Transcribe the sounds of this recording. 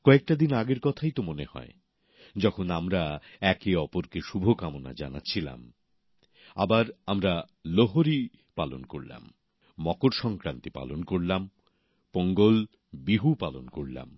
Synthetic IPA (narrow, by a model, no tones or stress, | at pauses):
kɔek̚ʈad̪inaɡeɾkɔt̪ʰajt̪omonehɔ̰e | d͡ʑɔkʰonamɾa | ɛkeɔpoɾkeʃubʱokamona̰d͡ʑanatːɕʰila̰m | a̰baɾamɾa | loɦoɾi | palo̰nkoɾla̰mː | ɔkoɾʃɔŋkɾant̪ipa̰lonkoɾlam | poŋɡol | biɦupalonkoɾla̰m